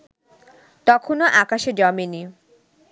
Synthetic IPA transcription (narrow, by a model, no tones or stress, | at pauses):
t̪ɔkʰonoʔakaʃed͡ʑɔmeni